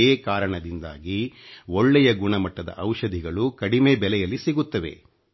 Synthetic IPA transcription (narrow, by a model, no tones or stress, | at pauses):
eːkaːɾɐɳɐd̪ind̪a̰ːɡiɔɭːɛjɐɡuɳɐmɐʈːɐd̪ɐ̰ʔɐwʃɐd̪ʱiɡɐɭukɐɽimeːbɛlɛjɐlːisiɡut̪ːɐʋe̞̰